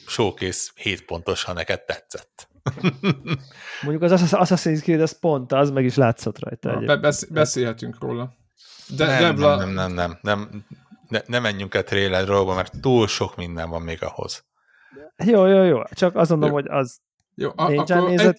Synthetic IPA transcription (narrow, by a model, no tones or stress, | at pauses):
ʃoːkeːsheːt̪po̞nt̪o̞ʃhɒnɛkɛd̪̚t̪ːɛt̪sɛt̪ː | moɲɟukɒzɒsɒsɒseɲit̪kiɦoɛspo̞nt̪ɒzmɛɡiʃlaːt̪so̞t̪rɒ̰jt̪ɒ̰ɛ̰ɟḛːbɛbɛseːlɦɛt̪yŋkro̰ːlɒ | d̪ɛɛblɛmnɛmnɛmnɛmnɛnɛmɛɲːyŋkɛt̪reːlɛd̪rooɡbɒmɛrt̪ːuːlʃo̞kmind̪ɛɱvɒmːeːɡɒ̰ho̞̰z̥ | joːjoːjoːt͡ʃɒkɒsɡo̞nd̪olomho̞ɟɒ̰z | joːʔeːt͡ʃaːnːeːzɛt̪